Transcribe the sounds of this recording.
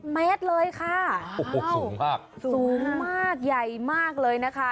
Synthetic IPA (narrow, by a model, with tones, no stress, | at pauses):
mɛ˦˥t̪̚lɤː˧jkʰa˥˩˧ | u˨˦ŋmaː˥˩k̚suːsuː˦˨˩ŋmaː˥˩k̚ja˨˩jmaː˥˩k̚lɤː˧jna˦˥kʰa˦˥